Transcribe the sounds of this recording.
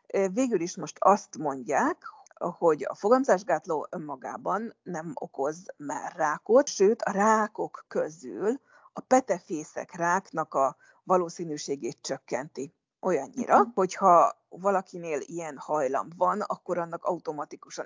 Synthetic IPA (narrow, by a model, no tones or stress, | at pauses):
veːɡyliʃmo̞ʃt̪ʰɒst̪mo̞ɲɟaːk | ho̞ɟɒ̰fo̞ɡɒmzaːʒɡaːt̪loːʔømːɒɡa̰ːbɒnːɛmo̞̰ko̞zmɛ̰raːko̞t̪ʃøːt̪ɒraːko̞kːø̞zyl | ɒpɛt̪ɛfeːsɛ̰kraːknɒkɒ | vɒloːsiːnyːʃeːɡeːt̪t͡ʃø̞kːɛnt̪i | ʔo̞jɒɲːḭɾɒho̞chɒvɒlɒkineːlijɛnhɒjlɒ̰mbvɒnɒ̰kːo̞ɾɒnːɒkɒut̪o̞mɒt̪ikuʃɒ